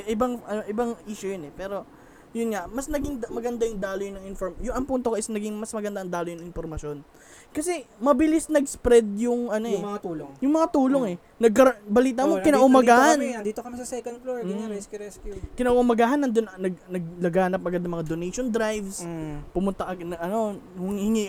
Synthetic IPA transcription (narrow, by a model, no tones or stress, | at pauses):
ʔɪbaŋʔɐnoʔɪbɐŋʔiːʃʊjonɛpɛːɾo̞ | jʊnŋamɐsnɐɡɪŋd̪mɐɡɐnd̪ajʊŋd̪aːlojʊnɐŋɪnfoɾmjʊɐŋpunt̪o̞koʔɪsnɐɡiŋmɐsmɐɡɐnd̪aʔɐŋd̪aːlojʊnɐŋɪnfoɾmɐʃo̞n | kɐsɛmɐbɪlisnɐɡspɾɛd̪̚jʊŋʔɐnojɛmɐŋat̪uːloŋjʊŋmɐŋat̪uːlo̞ŋɛ | nɐɡ̚kɐɾbɐliːt̪ɐmokɪnaʔʊmɐɡɡaːhɐnd̪iːt̪okɐmɪsɐsɛkɐn̚kloɪaɾɛskjuɾɛskjukɪnaʔʔʊmɐɡaːɦɐnːɐnd̪onnɐɡnɐɡ̚lɐɡaːnɐp̚ɐɡad̪ɐŋmɐŋad̪onɛjʃond̪ɾajvspʊmʊnt̪ɐʔɐɐɐno̞hʊŋhɪŋi